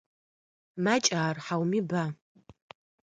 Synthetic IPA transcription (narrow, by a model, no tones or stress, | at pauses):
mat͡ʃʼaːrħawmiba